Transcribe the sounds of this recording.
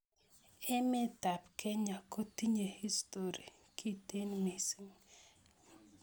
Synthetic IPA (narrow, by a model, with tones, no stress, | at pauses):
ɛ˦mɪ˦ta˨pkʰɛ˦ɲa˨ko˦ti˦ɲe˨hi˦sto˨ɾi˨ | kʰi˦te˦nmi˨si˦ŋ